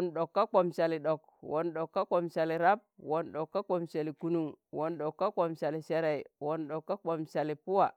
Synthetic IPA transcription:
nɗo˨kːa˦ko˨msa˨li˨ɗo˨k | wʔo˨nɗo˨kːa˦ko˨msa˨li˨ɾa˦p̚wo˨nɗo˨kːa˦ko˨msa˨li˨ku˦nu˨ŋwo˨nɗo˨kːa˦ko˨msa˨li˨se˦ɾe˨i˨wo˨nɗo˨kːa˦k͡po˨msa˨li˨pu˦wa˨

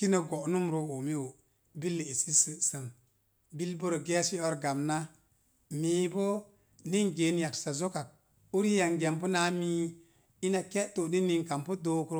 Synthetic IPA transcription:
ki˦na˨ɡo˨nu˦mɾo˨o˨mi˦wo˨ | bi˦lːe˨i˨si˦sɨ˦sə˨ŋ | bi˦lbo˦ɾo˨ɡe˦si˦o˦ɾɡa˨mna˦ | miː˨bo˦ | ni˦ŋɡe˨˦nja˨ksa˨zo˦ka˨k̚ | u˦ɾi˦ja˨ŋɡe˨mpu˦na˦mi˦ | i˦na˨ke˦ʔto˨ni˦nːi˦ŋka˨mpo˦doː˦kɾo˦

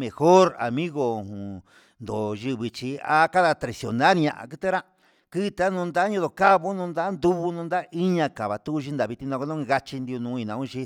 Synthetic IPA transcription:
mẽ˨xo˦ɾa̰˨mĩ˦ɣo˧˨hũ˨ | nd̪o˨ʒɨ˧βi˧t͡ʃi˧a̰˦ka˦ða˧t̪ɾe˨sjo̰˨nã˦ɾɲã̰˧ʔa̰˨kɨ˦t̪e˦ɾa˦ | ki˦˧t̪a˦nũː˧nd̪a˦ɲõ˧ðo˨ka˦βo˦nũ˧nd̪a˦nd̪u˦βu˧nũ˧nd̪a˦ʔi˦ɲã˧ka˨βa˨t̪u˦u˧ʃi˦nd̪a˨βi˧t̪i˧nã˧ko˧nõ˦˧ɣa˧t͡ʃi˧nd̪i˧u˧nũː˧˦˧i˧nã˨˧ũ˦˧ʃi˧

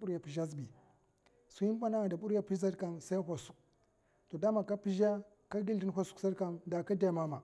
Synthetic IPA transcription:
u˦ɾa˨pi˨ʒa˦z̬bi˨ | su˨ji˦ba˦na˦˨da˨ɓu˦ɾa˨pi˦za˦ɾka˨nsa˦i˦hʷo˨su̥˦k̚ | to˨da˦ma˨ka˦pi˦ʒa˦ | ka˦ɡi˦ldi˦n˦ɦʷa˦su̥˨˦ksa˦ɾka˨nda˨ka˦da˦˨ma˦ma˨

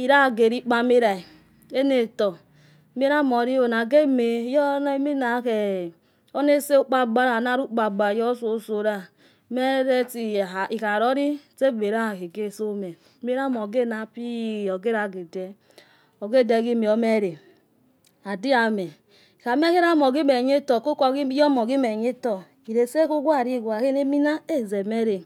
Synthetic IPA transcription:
i˨ɾa˦˨ɡe˨ɾi˦k͡pa˨˦me˦ɾa˨i˨ | e˦ne˨tɔ˨˦ | m˦e˦ɾa˦˨mo˨ɾi˦o˨na˨ɡe˦me˨˦jɔ˦n˦mi˦na˨ke˨ | o˦ne˦se˦o˦k͡pa˦ɡ͡ba˦ɾa˨na˦ɾu˦k͡pa˨ɡ͡ba˨jɔ˦so˨˦so˨ɾa˦ | me˦ɾe˦ti˨i˨ka˨ɾo˦ɾi˦te˦˨me˨ɾa˦˨ke˨ɡe˦˨so˦me˨ | me˦ɾa˦mo˨ɡe˦˨na˨pi˦˨o˨ɡe˦ɾa˨ɡe˨de˦ | o˨ɡe˦˨de˨ɡi˦mi˨o˦me˦˨ɾe˨ | a˨di˦a˨me˨ | ka˨me˦ke˦ɾa˦mo˨ɡi˦me˨ɲe˦tɔ˨ko˦ko˨ɡi˦jɔ˦mɔ˨ɡi˦me˨ɲe˦tɔ˨ | i˨ɾe˨se˦ku˦ɡʷa˦˨ɾi˦˨ɡwa˨ke˦ne˦mi˦na˦e˦˨ze˨me˦ɾe˨

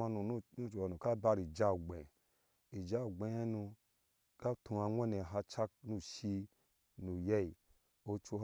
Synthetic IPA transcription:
a˧nu˨˦nu˦˨t͡ʃo˨wa˨nũ˨ka˦ba˧ɾi˨d͡ʒa˦u˨ɡ͡bẽ˨ | i˨d͡ʒa˦u˨ɡ͡be˧˨˦he˦nu˧ | ka˦tũ˧a˧ŋʷa˦ne˨ɦa˧t͡ʃa˦k̚nu˧ʃi˧ | nu˨jɛ˦i˨ | o˧t͡ʃo˧

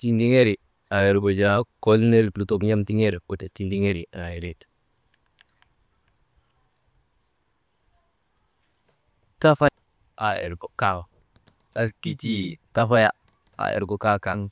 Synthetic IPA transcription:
ti˦ndi˦ŋe˦ɾi˨ | a˨e˨ɾbo˨d͡ʒa˦ko˦lne˦ɾplu˦to˨bɲa˦mti˦ŋe˦ɾwo˨ta˨ti˦ndi˦ŋe˦ɾi˨a˨e˨ɾe˨t | ta˦fa˦ | a˨ḛ˨ɾɡo˨ka˦w | a˨ki˦ti˨ta˨fa˦ja̰˨ | a̰˨ḛ˨ɾɡo˨ka˦ka˦ŋ

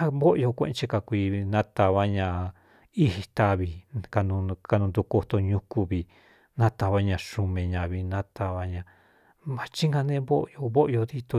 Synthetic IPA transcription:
a˦βo˦ʔjo˧kʷḛ̃˧ʔt͡ʃe˧ka˧kʷi˧nã˦t̪a˧βa˦ɲã˧ | i˧hi˧t̪a˧βi˧ka˧nũ˧ka˧nũ˧nd̪u˧ko˧t̪o˧ɲũ˧ku˧βi˧ | nã˦t̪a˧βa˦ɲã˧˨ʃu˧mẽ˨ɲã˧βi˧nã˦t̪a˧βa˧ɲã˧ | mã˨˧t͡ʃi˦ŋɡã˧nẽ˦βo˦ʔjo˧βo˦ʔjo˧ði˦t̪o˧

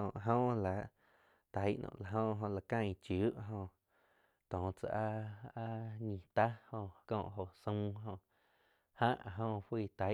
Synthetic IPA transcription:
õ˨ʔɦõː˦˧ʔla˨ʔ | t̪a˨˦jʔnʔɔ̰̃˧˨la˨ɦõː˧ɦõ˧la˨kã˧j̃t͡ʃu˨˦ʔɦõ˧ʔ | t̪ɔ̃ː˨t͡sa̰˨ʔa˦a˦ɲĩ˧˨t̪a˦hõ˧kɔ̰̃ː˧˨ʔɦo˨ʔsũ˧˦ɦõ˧ʔ | hã˦ʔɦõ˧hwiː˦˧˨t̪a˨˦

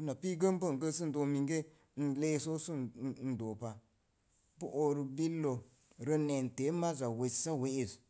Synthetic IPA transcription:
u˦na˨pi˦ɡə˦bə˦˨ŋ˨ɡə˦s̬ɨ˦n̩˨do˨mi˨ŋɡe˦˨ | n̩˦le˦˨so˦su˦˨n̩˨doː˨pa˨ | bə˦ʔo˨ɾɨ˨bi˦lːo˨ | ɾə˧nɛ˨n˨te˨˦ma˦za˨we˨˦sa˦we˦e˨z

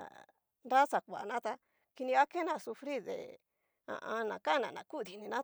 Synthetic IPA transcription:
nda˦sa˨kʷa˨nã˦t̪a˧ | ki˧nĩ˧a˦ke˦nã˧˨su˧fɾi˦˨ðḛ˨ | ã̰˧ʔã˧nã˨ka˦nã˨nã˨ku˦˨d̪i˨˧˨nĩ˧nã˦

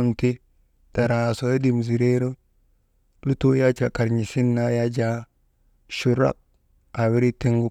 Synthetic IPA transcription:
nti˦ | ta˨ɾa˨so˦je˦di˨m˨zi˨ɾe˦ɾo˦ | lu˦to˦ja˦t͡ʃa˨ka˨ɾɲi˨si˦nːa˦ja˦d͡ʒa˦ | ʃu˨ɾa̰˦k̚ | a˨wi˦ɾi˦te˦ŋɡu˦

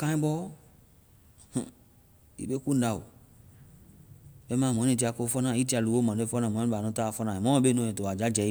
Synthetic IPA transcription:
kã˦ĩ˦bɔ˦ | h̩˨ | ḭ˦be˦ku˦n˦da˨wo̰˨ | be˦mã˦˨m̃˨˦ẽ˨t̬i˨a˨ko˦fɔ˦nã˦˨i˦ta˨lu˨wo˦mã˨e˦fɔ˦nã˨mɔ̃˨˦a˨nɔ̃˦ta˦˨fɔ˦nã˨e˨mɔ̃˦be˦nɔ̃˨e˨to˨a˨d͡ʒa˦d͡ʒɛ˨i˦

